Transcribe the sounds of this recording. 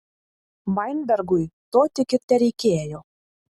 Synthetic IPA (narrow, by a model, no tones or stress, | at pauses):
mɑjnd̪ɑrɡujt̪ot̪ʲĕkĕt̪ːæɾikeæjo